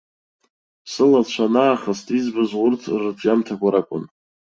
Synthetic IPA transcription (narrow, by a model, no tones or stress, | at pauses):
sɨlat͡ɕʷʰanaːχastʼizbɨzʊrtʰrɨtʰʼjamtʰakʷʰaɾakʷʼʊ̰n